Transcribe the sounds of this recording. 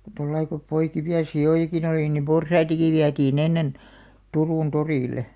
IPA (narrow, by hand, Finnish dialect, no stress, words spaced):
tolːɑi ko poikiʋiɑ sioˑjɑkin oliˑ nim porsɑitɑki ʋiætiːn enːen turuˑn toriˑle